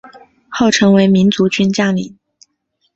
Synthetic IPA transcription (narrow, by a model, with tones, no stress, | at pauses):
xo˥˩ʊʈ͡ʂʰɤ˧˥ŋwe˧˥ɪmi˧˥nt͡su˧˥t͡ɕy˥nt͡ɕjɑ˥˩ŋlḭ˨˩˦